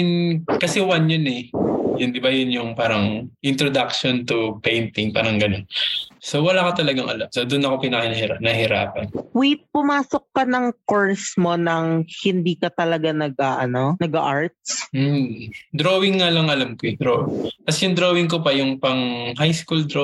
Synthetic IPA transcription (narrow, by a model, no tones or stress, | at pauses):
nkɐsɛwanjonɛjʊnd̪ɪbɐjʊnjʊŋpaːɾɐŋʔɪnt̪ɾod̪akʃont̪ʊpɛjnt̪ɪŋpa̰ːɾɐŋɡɐnonso̞wɐlaːkɐt̪ɐlɐɡaŋʔɐ̰lamsod̪ʊnɐkopɪnɐkɐnɐhɪanɐhɪɾa̰ːpɐ̰nwit̪̚pʊmaːsokːɐnɐŋkoɹsmo̞nɐŋhɪnd̪iːkɐt̪ɐlɐɡanɐɡ̚aʔɐnonɐɡaʔaɹt̪̚sm̩d̪ɾoːwɪŋːalɐŋʔɐlamkoɛd̪ɾoʔɪt̪ɐsɛjʊŋd̪ɾowɪŋkopɐjʊŋpɐŋhajskuld̪ɾo